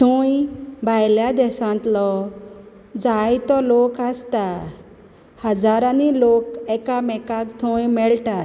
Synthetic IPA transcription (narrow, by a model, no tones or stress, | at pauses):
t̪ʰõjbʱajljad̪ɛsãnt̪lɔ | d͡zajt̪ɔlokast̪a | həd͡zaɾanilokɛkamɛkakt̪ʰõjmɛɭʈa